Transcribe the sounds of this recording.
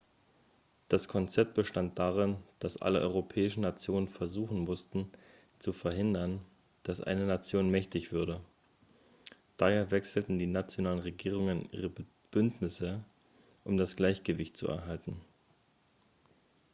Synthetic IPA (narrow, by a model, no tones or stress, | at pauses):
d̥askʰɔnt͡sɛp̚t̚b̥əʃtant̚d̥aːʁ̞ɪnd̥asʔa̰lə̰ʔɔ̰ʏʁopʰɛːɪʃn̩nat͡sjoːnənfɛɐzuːχn̩mʊstn̩ | t͡sufɛɐɦɪndɐn | d̥asʔa̰ɪnənat͡sjoːnmɛçtɪçv̥ʏɐdə | d̥aheːɐvɛksl̩tn̩diːnat͡sjonaːlənʁeɡiːʁ̞ʊŋənʔḭːʁə | b̥ʏntnɪsə | ʔʊmdasɡ̥laɪçɡ̥əvɪçtt͡sṵɛ̰ɐɦaltn̩